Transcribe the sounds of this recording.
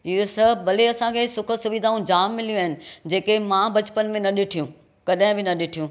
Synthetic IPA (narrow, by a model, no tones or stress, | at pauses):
ɪɦosɐɦbɐleɐsãkʰesʊkʰə̆sʊʋid̪ʱaːũd͡ʑaːmːɪlijũaɦɪnɪ̆d͡ʑeːkemãbɐt͡ɕpənmẽnɐɗɪʈʰijũ | kɐɗɦɪ̃bɪnɐɗɪʈʰijũ